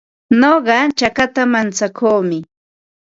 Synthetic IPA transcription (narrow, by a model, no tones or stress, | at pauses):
noɢɑt͡ʃakat̪amant͡sakʰoːmɪ